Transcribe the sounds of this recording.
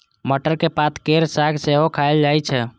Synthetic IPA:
məʈəɾkepat̪ʰkeɾsaɡseɦokʰaeld͡ʒajt͡ʃʰɛ

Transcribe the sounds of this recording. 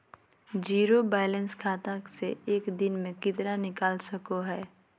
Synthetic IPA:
d͡ʒiːɾobaːlə̃nskʰaːt̪ãkseeːkd̪ɪnmẽkɪt̪ɾanɪkaːlsɐkoɦɛː

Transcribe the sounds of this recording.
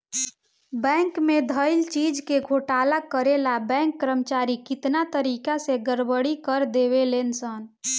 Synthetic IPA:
bɛ̃ŋkmed̪ʱəɪlt͡ʃid͡ʒkeɡʱoʈalakəɾelabɛ̃ŋkːɾəmt͡ʃaɾikɪt̪nat̪əɾikaseɡəɾbəɽikəɾd̪eβelensən

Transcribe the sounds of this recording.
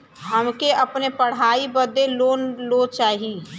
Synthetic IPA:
ɦəmkeəpnepəɽ̤aːibəd̪eloːnlot͡ʃaːɦi

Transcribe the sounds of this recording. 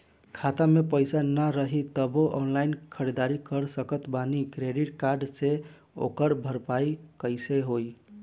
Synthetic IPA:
kʰat̪amepəjsanəɾəɦit̪əboʔɔnlainkʰəɾed̪aɾikəɾsəkət̪banikɾeɖiʈkaɾɖse | o̰kəɾbʱəɾpaikəjseɦoj

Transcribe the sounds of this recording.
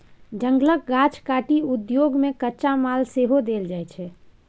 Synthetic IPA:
d͡ʒə̃ŋɡlək̚ɡat͡ʃkaʈiʊd̪joːɡmẽkəːt͡ʃamaːlseɦod̪eld͡ʒaɛt͡ʃʰɛ

